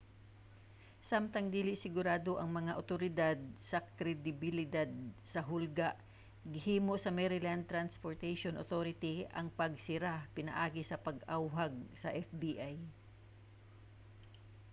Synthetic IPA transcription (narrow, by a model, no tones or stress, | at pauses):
samt̪ɐŋd̪iːlɪʔsɪɡʊɾaːd̪o̞ʔɐŋmɐŋaʔot̪oɾɪd̪ad̪̚sɐkɾɛd̪ɪbɪlɪd̪ad̪̚sɐɦʊlɡaʔ | ɡɪhiːmo̞sɐmɛɾɪlant̪ɾanspoɹt̪ɛjʃonʔot̪oɾɪt̪iʔɐŋpɐɡ̚sɪɾapɪnɐ̰ʔaːɡɪsɐpɐɡʔawɦaɡ̚sɐʔɛfb̪iʔaj